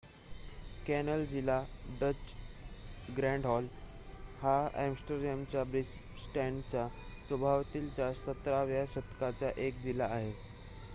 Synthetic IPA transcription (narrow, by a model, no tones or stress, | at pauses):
kænəld͡ʑilaɖət͡ɕ | ɡɾɛ̃ɳɖɦɔl | haæ̰msʈəɡɾɛmt͡ɕjabɾis | sʈɛɳɖt͡ɕjasəbʱaʋt̪iːlt͡ɕjasət̪ɾaʋjaɕət̪kat͡ɕjaʔekd͡ʑilaːɦe